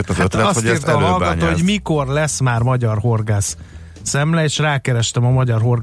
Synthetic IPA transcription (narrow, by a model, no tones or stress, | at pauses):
at̪ɒstiːrt̪ɛːɒlɡɒtt̪oːoɟmiko̞rlɛsmaːrmɒɟɒrɦo̞rɡaːsː | ɛmlɛeːʃraːkɛɾɛʃt̪ɛmɒmɒɟɒrɦo̞r